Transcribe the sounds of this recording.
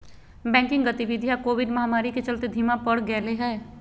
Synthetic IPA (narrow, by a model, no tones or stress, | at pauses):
bɛ̃ːŋkɪ̃ŋɡɡət̪iʋɪd̪ʱijakoːʋɪɖmɐɦamaːɾiket͡ʃəlt̪ed̪ʱimapəɽɡɛːleɦɛː